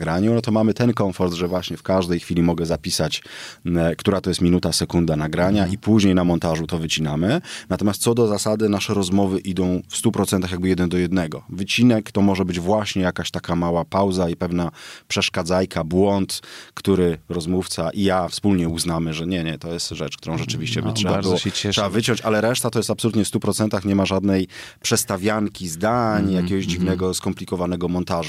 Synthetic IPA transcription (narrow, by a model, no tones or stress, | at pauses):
ɡɾaɲunɔt̪̬ɔmamɘt̪ɛnkɔɱfɔɾd̪ʐɛvwaɕɲɛfkaʐd̪ɛjxfʲilʲimɔɡɛzapʲisat͡ɕ | kt̪uɾat̪ɔjɛst̪mʲinut̪asɛkund̪anaɡɾaɲaʔipuʑɲejnamɔnt̪aʐut̪ɔvɘt͡ɕinamɘnat̪ɔmʲjast̪sɔd̪ɔzasad̪ɘnaʂɛɾɔzmɔvɘʔid̪ɔ̃w̃fst̪upɾɔt̪sɛnt̪axjaɡ̚bɘjɛd̪ɛnd̪ɔjɛd̪nɛɡɔvɘt͡ɕinɛkt̪ɔmɔʐɛbɘd͡ʑvwaɕɲɛjakaɕt̪akamawapawzaipɛvnapʂɛʂkad̪zajkʰabwɔnt̪kt̪uɾɘɾɔzmuft̪saʔijafspulɲɛuznamɘʐɛɲɛɲɛt̪ɔjɛst̪ʐɛt͡ʂkt̪uɾɔ̃w̃ʐɛt͡ʂɘvʲiɕt͡ɕɛvʂɛbaɾɔɛɛʂɛbavɘt͡ɕɔ̃ɲt͡ɕalɛɾɛʂt̪at̪ɔjɛst̪apsɔlut̪ɲɛfst̪upɾɔt̪sɛnt̪axɲɛmaʐad̪nɛjpʂɛst̪avʲjaŋkʲizd̪aɲjakʲɛɡɔʑd͡ʑivnɛɡɔskɔmplʲikɔvanɛɡɔmɔnt̪aʐu